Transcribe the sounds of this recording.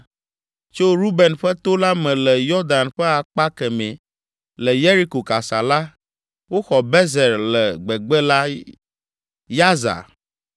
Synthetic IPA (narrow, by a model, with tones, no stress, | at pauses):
t͡ʃo˦ɾu˦be˨nɸɛ˦t̪o˦la˦mɛ̃˨lɛ˨jɔ˦ɾd̪a˨nɸɛ˦a˨k͡pa˦kɛ˨mɛ̃˨ | lɛ˨je˦ɾi˦ko˨ka˨sa˨la˦ | wo˦xɔ˨bɛ˦zɛ˨ɾlɛ˨ɡ͡bɛ˨ɡ͡bɛ˦la˦ | ja˦za̰˨